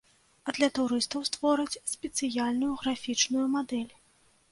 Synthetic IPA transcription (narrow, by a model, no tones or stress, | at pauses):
ɐd̪lʲɐt̪uɾɨst̪ɐwst̪vɔɾɨt͡sʲsʲpʲɛt̪sɨjalʲnujuɣɾafʲit͡ʂnujumad̪ɛlʲ